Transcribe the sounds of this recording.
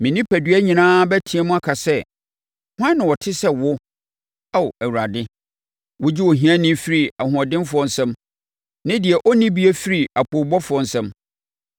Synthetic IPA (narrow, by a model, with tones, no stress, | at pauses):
mɪ̃˨nĩ˦pʰæ˨dɥæ˦ɲĩ˨nãː˦bæ˦tʰĩ˨˦ɛ˦mʊ̃˦a˦kʰa˨sɛ˦ | hʷã˦nːɪ̃˨wɔ˨tʰɪ˦sɛ˦wʊ˦ | a˦˨æ˨wu˨ɾa˨dɪ˦ | wʊ˦d͡ʑi˦wo˨ɦĩ˦ã˦nɪ̃˦fi˦ɾi˨a˨hʊ̃˨ɔ˨dɪ̃˦nfʊ˨ɔ˦n̩˦sɛ̃˦m | nɪ̃˦dɪ˨ɛ˨ʔɔ˦nɪ̃˦bi˦ɛ˦fi˦ɾi˨a˨kʰo˨bɔ˦fʊ˨ɔ˦n̩˨sɛ̃˦m